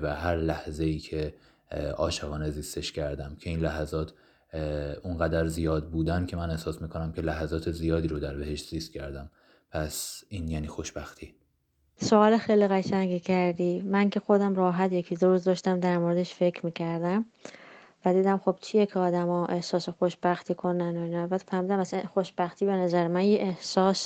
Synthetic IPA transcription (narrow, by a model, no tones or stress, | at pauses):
væhæɾlæhze̞iːcʰe̞ | ʔɒːʃeɣɒːne̞ziːst̪e̞ʃcʰæɾd̪æmcʰe̞iːnlæɦæzɒːt̪ʰ | unɢæd̪æɾzijɒːd̪̚buːd̪ænkʲʰe̞mæne̞hsɒːsmiːkʰonæmcʰe̞læɦæzɒːt̪ʰe̞zijɒːd̪iːɾod̪æɾbe̞he̞ʃt̪z̥iːst̪̚cʰæɾd̪æm | pʰæsiːnjæːniːxo̞ʃbæxt̪ʰiː | soɒːlexejliɣæʃæŋɟiːcʰæɾd̪iːmæncʰe̞xo̞d̪æmɾɒːɦæt̪je̞cʰid̪oɾuːzd̪ɒːʃt̪æmd̪æɾmoɾed̪eʃfe̞cʰɾmiːcʰæɾd̪æm | væd̪iːd̪æmxo̞b̥̚t͡ʃʰijecʰeɒːd̪æmɒːʔe̞hsɒːsexoʃb̥æxt̪ʰiːkʰonænoinæbæt̪ʰfæɾmiːd̪æmæsæxoʃb̥æxt̪ʰiːbe̞næzæɾemænjeʔehsɒːs